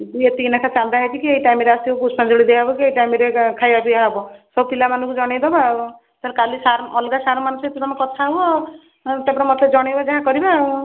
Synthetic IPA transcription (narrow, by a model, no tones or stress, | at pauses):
d̪ujet̪inakʰat͡ʃald̪aɦekʰikiejʈajmeɾeast̪ioput͡ʃʰmad͡ʒoɽid̪eaɦbɔkiejʈajmeɾekʰajapiaɦɔbɔsɔbupilamanũkud͡ʒɔɽ̃ejd̪ɔba | t̪alkalisaɾɔlɡasaɾmanũset̪id̪ɔmakɔt̪ʰaɦuɔ | t̪ebɽ̃ɔmɔt̪ed͡ʒɔɽ̃ebad͡ʒaɦãkɔɾiba